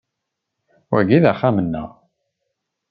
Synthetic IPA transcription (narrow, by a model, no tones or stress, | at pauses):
wæʝiðæχamənːə̰ʁ